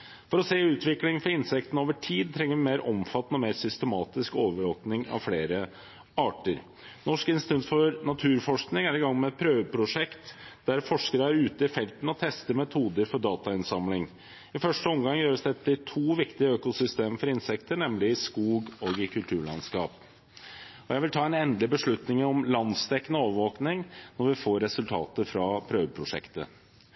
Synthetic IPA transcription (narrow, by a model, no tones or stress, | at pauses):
fɔɾɔseːʉːt̪ʰʋɪklɪŋfɔɾɪnsɛkt̪n̩oːʋəʈʰiːd̪̚t̪ʰɾɛŋːəɾʋɪmeːɾʔɔmfɑt̪ːnəɔmeːɾsʏst̪əmɑːt̪ɪskoːʋəɾoːpnɪŋɑ̰ʋfleːɾə | ɑːʈəɾ | nɔʂkɪnst̪ɛnt̪fɔɾnɑt̪ʰʉːɾfɔʂknɪŋæɾɪɡɑŋːmɛɛt̪̚pʰɾøːʋəpʰɾʊʂɛkt̪d̪̥æɾfɔʂkəɾəæɾʉːt̪əɪfɛlt̪nɔt̪ʰɛst̪əmɛt̪ʰuːd̪əɾfɔɖɑːt̪ɑɪnsɑmlɪŋ | ɪfœʂʈəɔmɡɑŋjøːɾəsd̪ɛt̪ːɪt̪ʰuːʋɪkt̪ɪəøːkʊsʏst̪eːməfɔɾɪnsɛkt̪əɳɛmlɪɪskuːɡɔɡɪkʰʉlt̪ʰʉːɭɑ̰nskɑ̰ːp | ɔjæɪʋɪlt̪ʰɑːɛnɛnd̪lɪbəʂɭʉt̪nɪŋɔmlɑnst̪ʰɛkːənəoːʋəɾʋoːknɪŋnɔɾʋɪfoːɾɛsʉlt̪ʰɑ̰ːt̪əfɾɑpʰɾøːʋəpʰɾʊʂɛ̰kt̪ə̰